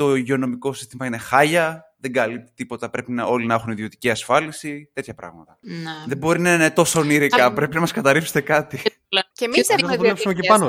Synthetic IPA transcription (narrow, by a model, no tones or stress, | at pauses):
t̪o̞iʝeo̞no̞miko̞si̥st̪imɐine̞xɐʝɐðe̞ŋɡɐlip̚t̪i̥t̪ipo̞t̪ɐpɾe̞pinɐo̞linɐexuniðio̞t̪i̥ciɐsfɐlisit̪e̞t̪çɐpɾɐ̰ɣmɐt̪ɐ̥ðe̞bo̞ɾinɐinet̪o̞so̞niɾikɐpɾe̞pinɐmɐskɐt̪ɐɾipst̪e̞kɐt̪i | cemiɐt̪lepssumecepɐno